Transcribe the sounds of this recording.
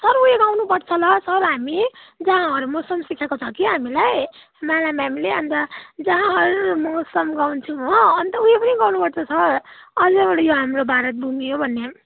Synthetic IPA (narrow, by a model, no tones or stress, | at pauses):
sʌɾujeɡawnupʌɽt͡sʰʌlʌsʌɾɦamid͡zʌɦãɦʌɾumosʌmsikʰekot͡sʰʌkiɦamilaj | malamɦamileʌnt̪ʌd͡zʌɦãɦʌɾumosʌmɡawnt͡sʰũɦʌʌnt̪ʌujepʌniɡawnupʌɽt͡sʰʌsʰʌrʌd͡zebʌɽʌjoɦamɾobʱaɾʌt̪̚bʱumijobʱʌnːe